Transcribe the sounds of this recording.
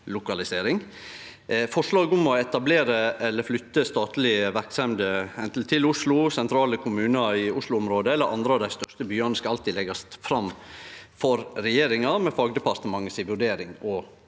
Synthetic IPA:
lʊkɑlɪseːɾɪŋ | fɔʂlɑːɡʊmɔɛt̪ɑbleːɾəɛlːəɾflʏt̪ːəst̪ɑːt̪lɪəʋæɾksɛmd̪əɛnt̪əl̩t̪ʰɪlʊslʊsɛnt̪ʰɾɑːləkʰʊmʉːnəɪʊslʊɔmɾoːd̪əɛlːəɾʔɑ̰nd̪ɾəɑʋd̪æɪst̪œʂt̪əbyːɑnəskɑɑlt̪ɪlɛɡɑst̪fɾɑmfɔɾɾɛjeːɾɪŋɑmɛfɑːɡd̪ɛpɑɾt̪əmɑŋːəsɪʋʉɖeːɾɪŋɔ

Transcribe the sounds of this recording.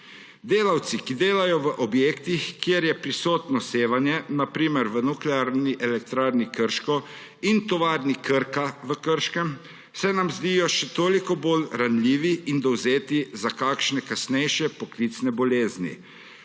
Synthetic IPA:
d̪eːlawt̪sikid̪eːlajɔʋəʔɔbjeːkt̪ixkːjeɾjɛpɾisoːt̪nɔseːʋanjɛnapɾiːmɛɾʋənuklɛaːɾniʔɛlɛk̚t̪ɾaːɾnikəɾʃkɔ | int̪ɔʋaːɾnikəɾkaʋəkəɾʃkɛm | sɛnamzd̪ijɔʃɛt̪oːlikɔboːlɾanlʲiːʋiind̪ɔwzeːt̪izakaːkʃnɛkasnɛjʃjɛpɔkliːt̪snɛbɔleːznḭ

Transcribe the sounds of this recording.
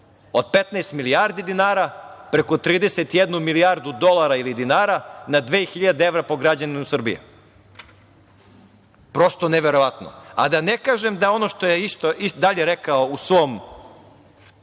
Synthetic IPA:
od̪̥̚pe̞t̪najst̪miliaɾd̪id̪inaːɾa | pɾekot̪ɾiːd̪eset̪jed̪numilijaɾd̪ud̪o̞lˠaɾailid̪inaːɾanad̪ʋeːxiʎad̪eeʋɾapo̞ɡɾad͡ʑanimausr̩bḭjḛ | pɾo̞st̪oneʋeɾo̞ʋat̪no̰a̰d̪anekaːʒemd̪ao̞noʃt̪ojeist̪oʔid̪aʎeɾekaousʋom

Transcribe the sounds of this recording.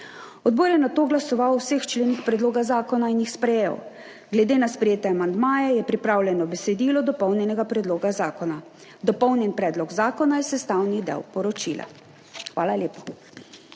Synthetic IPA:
ɔd̪̚bɔːɾjɛnat̪oːɡlasɔʋawsext͡ʃleːnixpɾɛd̪loːɡazaːkɔnainjixspɾɛjḛw | ɡlɛd̪enaspɾɛjeːt̪ɛamand̪maːjɛjɛpɾipɾaːwlʲɛnɔbɛsɛd̪iːlɔd̪ɔpɔwnjɛnɛɡapɾɛd̪loːɡazaːkɔna | d̪ɔpɔwnjɛnpɾɛːd̪lɔɡzaːkɔnajɛsɛst̪awnid̪ɛ̰wpɔɾɔt͡ʃila̰ | xʋa̰ːlaleːpḁ

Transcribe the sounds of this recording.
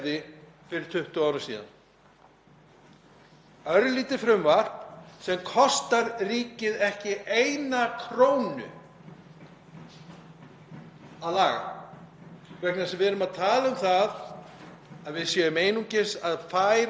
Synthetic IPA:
ðɪfɪɾɪɾ̥t̪ʰʏht̪ʏaːwɾʏmsḭːða̰n | œɾliːt̪ɪfɾʏmvar̥psɛmkʰɔst̪aɾriːcɪðɛhcɪejnakʰɾoːwnʏ̰ | aðlaːɣa̰ | vɛknasɛmvɛɾʏmaðt̪ʰaːlaʏmθað | aðvɪðsjɛmeːjnuɲcɪsaðfaːjɾ

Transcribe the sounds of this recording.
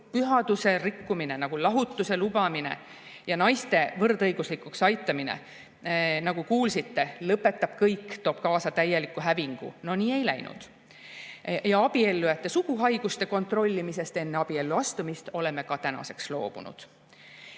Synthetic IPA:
pyɦɑd̪use̞rikːumine̞nɑɡ̥ulɑɦut̪ːˑuse̞lubɑmine̞̰ | jɑnɑjst̪e̞vɤrd̪ɤjɡ̥uslikuksɑjt̪ːˑɑminḛ | nɑɡ̥ukuːlsit̪ːe̞lɤpːˑe̞t̪ːˑɑb̥kɤjkːt̪o̞ːb̥kɑːsɑt̪æje̞likːˑuɦæviŋɡ̥ṵno̞niːe̞jlæjnṵd̪̥ | jɑɑb̥ie̞lːujɑt̪ːe̞sukuɦɑjɡ̥ust̪e̞ko̞nt̪ro̞lʲːimise̞st̪e̞nːe̞ɑb̥ie̞lːuɑst̪umist̪o̞le̞me̞kɑt̪ænɑ̰se̞kslo̞̰ːb̥ṵnṵd̪̥

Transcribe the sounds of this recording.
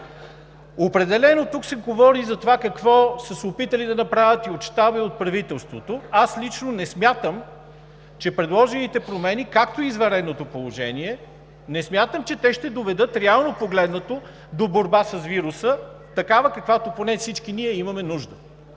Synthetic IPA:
opɾɛd̪ɛlɛnot̪uksɛɡovɔɾizɐt̪ovakɐkvɔsəsopit̪ɐlid̪ɐnɐpɾavʲət̪iot̪ʃt̪abiot̪̚pɾɐvit̪ɛlˠst̪vot̪oaslit͡ʃnonɛsmʲjat̪əm | t͡ʃɛpɾɛd̪lˠɔʒɛnit̪ɛpɾomɛnikak̚t̪oizvɛɾɛd̪nːot̪opolˠoʒɛ̰niɛ | nɛsmʲjat̪əmt͡ʃɛt̪ɛʃt̪ɛd̪ovɛd̪ɤt̪ɾɛalˠnopoɡlɛd̪nət̪o | d̪oboɾbasɐsviɾusə | t̪ɐkavəkɐkvat̪oponɛfsit͡ʃkiniɛimɐmɛnuʒd̪ə

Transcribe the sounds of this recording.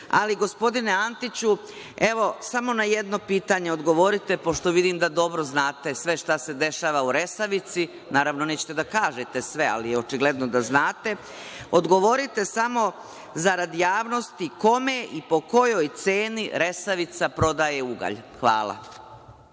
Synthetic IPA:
a̰liɡo̞spo̞d̪ine̞ant̪it͡ɕu | e̞ʋo̞samo̞najed̪no̞piːt̪aɲe̞o̞d̪ɡo̞ʋo̞ɾit̪e̞po̞ʃt̪o̞ʋid̪imd̪ad̪o̞bɾo̞znaːt̪e̞sʋe̞ʃt̪ase̞d̪e̞ʃaːʋauɾe̞saʋit̪si | naːɾaʋno̞net͡ɕe̥t̪ed̪akaːʒet̪e̞sʋe̞a̰lijeo̞t͡ʃiɡle̞d̪nod̪aznaːt̪e̞ | od̪ɡo̞ʋo̞ɾit̪e̞samo̞ | zaɾad̪ijaːʋno̞st̪iko̞meʔipo̞ko̞jo̞jt̪seːniɾe̞saʋit̪sapɾo̞d̪aje̞uɡa̰ʎxʋa̰ːlˠa̰

